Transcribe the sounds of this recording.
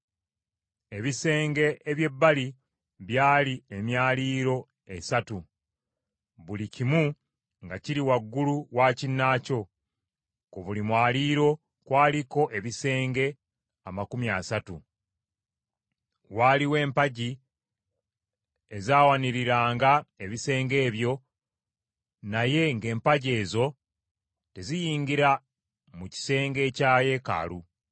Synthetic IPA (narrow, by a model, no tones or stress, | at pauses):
e̞βise̞ːŋɡe̞ʔeβje̞bːali | βjaːliemjaːliːɾo̞ | e̞satu | βulicimu | ŋɡaciɾiwaɡːuluwaːcinːaco̞ | koβulimwaːliːɾo̞ | kwaːliko̞ʔe̞βise̞ːŋɡe̞ | amakumjasatu | waːliwe̞ːmpaɟi | ezaːwaniɾiɾaːŋɡae̞βise̞ːŋɡe̞ːβjo̞ | naje̞ŋɡe̞ːmpaɟe̞ːzo̞ | te̞zijiːŋɡiɾa | muci̥se̞ːŋɡe̞ːcaːje̞ka̰lu